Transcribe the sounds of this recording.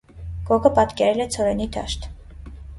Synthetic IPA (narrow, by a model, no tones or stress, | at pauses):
kɔkʰəpɑt̪kɛɾɛlɛt͡sʰɔɾɛnid̪ʰɑ̰ʃt̪